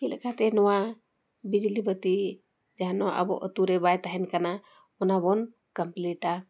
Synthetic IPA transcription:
t͡ʃilɛ̰kʰat̪ɛnɔwa | bid͡ʒlibət̪i | d͡ʒaɦanɔʔa̰bɔ̰ʔə̰t̪uɾɛbajt̪aɦɛnkana | ɔnabɔn | kəmpliʈa

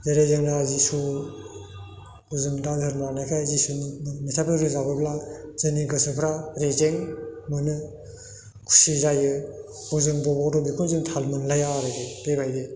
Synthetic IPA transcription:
zeɾezɯŋɾazisu | uzɯŋdazɯɾmanajkʰajzisunimitʰapʰɯɾɯzabɯblazɯniɡɯsɯpʰɾaɾezeŋmɯnɯ | kʰu̥sizajɯ | ɔzɯŋbɔbɔdɔbikʰozɯŋtʰalmɯnlajaɾɯdeb̥ebajde

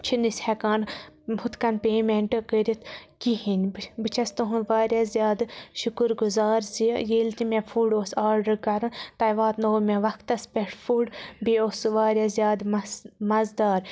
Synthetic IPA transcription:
t͡ʃʰind̪isʲhɛkaːnhut̪kɐnpeːmeɳʈɨkəːɾʲit̪ʰkiɦinʲbbɨt͡ʃʰɐst̪oɦunʋaːɾʲjazʲjaːd̪ʃukɨɾɡuzaːɾsijeːlt̪imɛfʰuːɖoːsaːɾɖɨɾkɐɾɨnt̪ɐjʋaːt̪noːmɛʋɐkʰt̪ɐspʲɛʈʰfʰuɖbioːsɨʋaːɾjazʲjaːd̪mɐmɐzd̪aːɾ

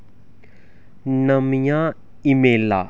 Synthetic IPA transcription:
nəmjã | imeːla̰

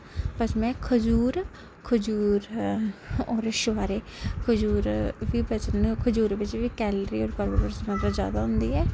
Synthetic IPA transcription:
pət͡ʃmɛ̃ːkʰʊd͡ʒuːɾ | kʰʊd͡ʒuːɾ | ɔːɾʃʋaːɾeː | kʰʊd͡ʒuːɾʋiːbət͡ʃənkʰʊd͡ʒuːɾʋɪt͡ʃʋiːkɛːlɾiːɔːɾɡəɾbəbəɾsmət̪ɾəzja̰ːd̪aːɦʊ̃nd̪iːɛː

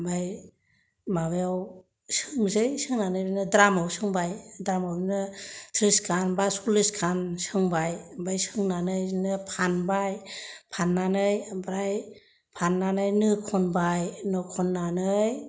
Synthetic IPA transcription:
baj | mabajaw | sɯŋzɯjsɯŋnanɯjinɯdɾamawsɯŋbajdɾamawinɯtʰɾiskʰanbasulɯskʰansɯŋbajbajsɯŋnanɯjnɯpʰanbajpʰanːanɯjbɾaj | pʰanːanɯjnɯkʰɔnbajnɔkʰɔnːanɯj

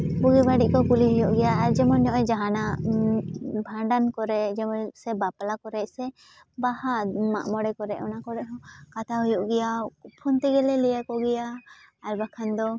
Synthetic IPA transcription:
buɡɛbaɖiʔ̚kɔkuliɦujɔʔɡɛjaːɾd͡ʒɛmɔnɲɔʔɔjd͡ʒaɦana | bʱaɳɖankɔɾɛʔd͡ʒɛmɔsɛbaplakɔɾɛʔsɛ | bahama̰ʔmɔɽɛkɔɾɛʔɔnakɔɾɛʔɦɔ̃kat̪ʰaɦujɔʔɡɛjapʰɔnt̪ɛɡɛlɛlɛjakɔɡɛjaː | ɾbakʰand̪ɔ

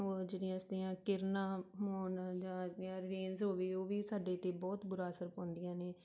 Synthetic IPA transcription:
oːd͡ʒeːɽɪjãːst̪iːãːkɪɾnãːmoːnd͡ʒãːãːɾeːnzɦoːʋeːoːʋiːsaːɖeːt̪eːbɔːt̪bʊɾaːəsəɾpɔ̃ːnd̪ɪjãːneː

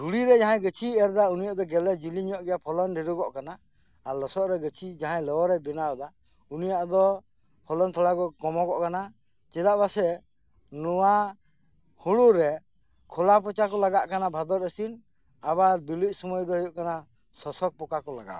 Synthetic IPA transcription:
ɾuɽiɾɛd͡ʒaɦãjɡət͡ʃʰiɛɾd̪aunijaʔd̪ɔɡɛlɛd͡ʒiliɲɔʔɡɛjapʰɔlɔnɖiɾuɡɔʔkanaː | ɾlɔsɔʔɾɛɡət͡ʃʰid͡ʒaɦãjlɔwɔɾɛbɛnawɔd̪a | unijaʔd̪ɔ | pʰɔlɔnt̪ʰɔlakɔkɔmɔɡɔʔkana | t͡ʃɛd̪aʔbasɛ | nɔwa | huɽuɾɛ | kʰɔlapɔt͡ʃakɔlaɡaʔkanabʱad̪ɔɾəsin | abaɾbiluc̚sɔmɔjd̪ɔɦɔjuʔkana | sɔsɔk̚pɔkakɔlaɡa̰

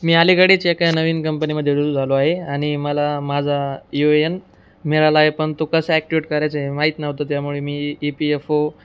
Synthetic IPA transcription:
miːaliɡaɽit͡ɕekanəʋiːnkəmpəniməd̪ʱːjed̪uɾd͡zʱaloaɦeaɽ̃iməlamad͡zʱajoen | meɾalaːɦepəɳt̪okəsəæk̚ʈiʋiʈkəɾjajt͡semaɦit̪naɦot̪ot̪jamuɭemiːpiefo

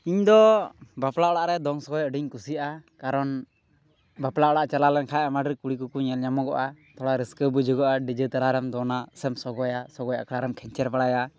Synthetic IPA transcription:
iɲd̪ɔbaplaʔɔɽaʔɾɛd̪ɔŋsɔɡɔjəɖiɲkusiʔakaɾɔn | baplaʔɔɽaʔt͡ʃalalɛnkʰajamaɖəɾkuɽikukuɲɛlɲamɔɡɔʔat̪ɔɽaɾɛskəbəd͡ʒɔɡɔʔaɖid͡ʒət̪aɾaɾɛmd̪ɔnasɛmsɔɡɔjasɔɡɔja̰kʰaɽaɾɛmkʰɛɲt͡ʃɛɾbaɽaja

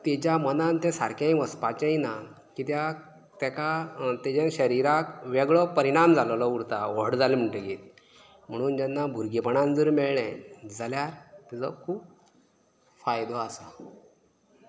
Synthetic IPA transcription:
t̪et͡ɕjamənãnt̪ɛ̃saɾkʰjãĩʋəspat͡ɕaina | kit̪ja | t̪ɛkat̪ɛd͡ʑẽnɕəɾiɾakʋɛɡɭɔpəɾiɽ̃amd͡zallɔuɾt̪aʋəɽd͡zalim̤əɳʈeɡet̪̚ | m̤əɽ̃uːnd͡ʑanːabʱuɾɡipəɳ̃ãnd͡zəɾmɛɭɳɛ̃d͡zʱaljaɾt̪id͡zɔkʰuːp̚ | fajd̪ɔasa

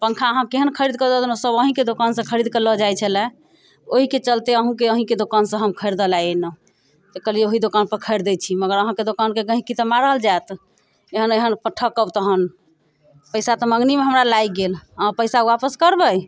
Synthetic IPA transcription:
pəŋkʰaəɦãkeɦənkʰəɾid̪̚kəd̪əd̪nosəbəɦĩked̪okansə̃kʰəɾid̪̚kələd͡ʒajt͡ʃʰəlɛ | oɦiket͡ʃəlt̪eəɦũkeəɦĩked̪okansə̃ɦəmkʰəɪɾd̪əlajenə | t̪ekəlieoɦid̪okanpəɾkʰəɪɾd̪ɛt͡ʃʰiməɡəɾəɦãked̪okankeɡə̃ɦĩkit̪əmaɾəld͡ʒaet̪ | eɦəneɦənpəʈʰəkəbt̪əɦən | pəɪsat̪ɔməŋɡnimeɦəmɾalajɡelãpəjsauwapəskəɾbəj

